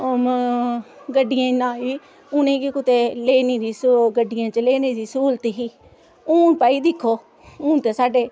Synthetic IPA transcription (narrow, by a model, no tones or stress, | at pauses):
ɡəɖːɪjãːɪnːãːɦiː | ʊnẽːkikʊt̪eːleːniːd̪iːsɡəɖːɪjãːt͡ʃəleːneːd̪iːsuːlt̪ːɦiː | uːnpaːiːd̪ɪkʰːoː | uːnt̪eːsaːɖeː